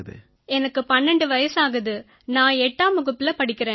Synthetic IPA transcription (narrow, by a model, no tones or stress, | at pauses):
ðɯ̰ | ɛnɐkːɯpɐnːɛɳɖɯʋɐjɐsaːɣɐðɯ | nãːɛʈːaːmɯɣɯt̪ːɪlɐpɐɽɪkːɪɾẽː